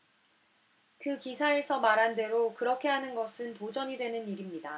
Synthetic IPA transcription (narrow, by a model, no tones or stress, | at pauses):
kɯkisʰae̞sʰʌmaɾɦande̞ɾokɯɾʌkʰe̞ɦanɯnɡʌsʰɯntod͡ʑʌɲidwe̞nɯniɾimɲida